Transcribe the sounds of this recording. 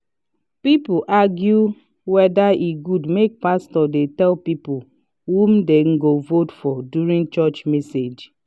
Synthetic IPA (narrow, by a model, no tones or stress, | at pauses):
pip̩ʔaɡju | wɛdaiɡudmek̚pastɔdetɛlpipʊ | hum̩deŋ̩ɡovotfɔdjuɾĩŋt͡ʃɔt͡ʃmɛsed͡ʒ